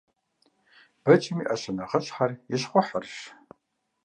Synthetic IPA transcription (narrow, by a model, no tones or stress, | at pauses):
b̥ɐt͡ʃɪmiːʔɐɕɐnɐʁəɕʼħarjɪɕχʷɔħərʃ